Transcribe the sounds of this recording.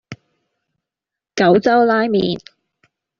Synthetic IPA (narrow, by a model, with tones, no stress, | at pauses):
kɐ˨˥wt͡sɐ˥wlaː˥jmiː˨n